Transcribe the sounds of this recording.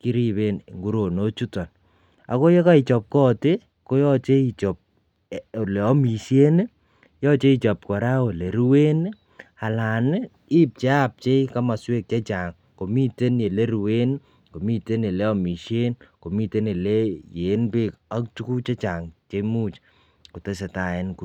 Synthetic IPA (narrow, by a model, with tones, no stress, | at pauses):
ki˦ɾi˦βe˦n˨ŋɡu˦ɾo˨no˦t͡ʃu˦tɔ˨n | a̰˨kɔ˦jɔ˦ka˦i˨t͡ʃɔ˨p̚kɔ˦te˦ | ko˦jɔ˦t͡ʃe˦i˨t͡ʃɔ˨p̚ | le˨ɔ˦mi˨ʃje˦n˦ | jɔ˦t͡ʃe˦i˦t͡ʃɔ˨p̚kɔ˨ɾa˦wo˨le˨ɾu˦we˦n˦ | a˨la˨n˦ | i˦p̚t͡ʃe˦a˦p̚t͡ʃe˦i˦ka˦ma˨swe˦k̚t͡ʃa˦t͡ʃa˨ŋ | ko˨mi˦te˦nje˨le˦ɾu˨we˦n | ko˨mi˦te˦ne˨lɛ˦ɔ˦mi˨ʃje˦nko˨mi˦te˦ne˨le˦jeː˨˦npe˦ka˦k̚tu˦ku˦t͡ʃe˦t͡ʃa˨ŋt͡ʃe˦mu˦t͡ʃ | ko˨te˦sɛ˨ta˨ɛ˦nku˨